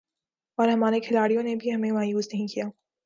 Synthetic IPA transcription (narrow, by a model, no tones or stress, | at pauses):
ɔːɾɦɐmaːɾekʰelaːɾijõnebʱiɦɐmemaːjuːsnɐɦĩkijaː